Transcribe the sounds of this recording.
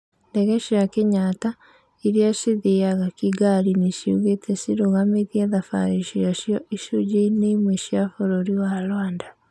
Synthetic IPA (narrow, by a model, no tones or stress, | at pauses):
ndeɣeʃijakeɲata | iɾiaʃiðijaɣakiɡaɾiniʃiṵɣetʰɛsiɾuɣameðjaðafa̰ɾiʃijaʃjɔʔiʃud͡ʒinemweʃjafoɾoɾiwalwaːnda